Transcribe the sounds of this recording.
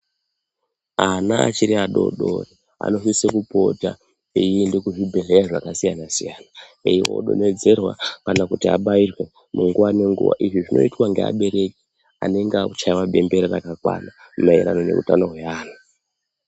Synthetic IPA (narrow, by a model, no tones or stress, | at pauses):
anaa̰t͡ʃiɾiaɗo̞̰ɗori | a̰no̞fisekupo̞ta̰ | ijindekuʐibʱeɮeraʐakasijanasijana | eiwo̰ɗo̞̰ne̞d͡ze̞rwa̰kanakutia̰ɓairwe̞ | muŋɡuwane̞ŋɡṵʋa̰ʔiʐiʐino̞itwaŋɡea̰ɓe̞ɾe̞ki̥ | a̰ne̞ŋɡeakut͡ʃaiwaɓe̞mbe̞ɾirakakwa̰na | umaiɾano̞ne̞̰rṵtanoɦweaːna